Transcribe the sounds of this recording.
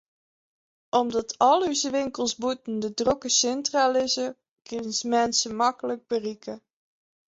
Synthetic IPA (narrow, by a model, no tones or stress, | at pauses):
ʔɔmdɑtʰɔlˠɦyzəʋɪŋkəlˠsbutn̩dədrokəsɪntralɪzə | kɪnəsmɛnsəmɑkələɡ̚bərikʰə